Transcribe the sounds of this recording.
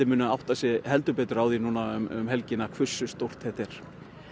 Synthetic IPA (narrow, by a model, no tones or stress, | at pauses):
ɪmʏːnʏaawht̪asjɛhɛlt̪ʏpɛːt̪ʏɾawðinuːnaʏmʏ̰mɦɛlcɪnakʰvʏ̥sːʏst̪owr̥t̪ɛht̪ɛɾ̥